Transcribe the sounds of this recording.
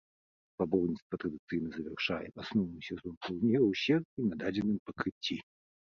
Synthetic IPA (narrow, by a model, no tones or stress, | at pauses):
pabɔlnʲit̪st̪vɐt̪ɾɐd̪ɨt̪sɨjnɐzɐvʲɛrʂajɛ̰ʔasnɔwnɨsʲɛzɔnplˠunʲɛwɕʲɛrʲinad̪ad͡zʲɛnɨmpɐkɾɨt͡sʲːi